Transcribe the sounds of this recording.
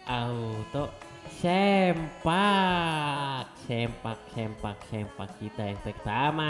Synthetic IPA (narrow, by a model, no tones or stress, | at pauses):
ʔaut̪oʔ | sɛmpa | k̚sɛmpak̚sɛmpak̚sɛmpakːit̪ajaŋp̪ɛk̚t̪ama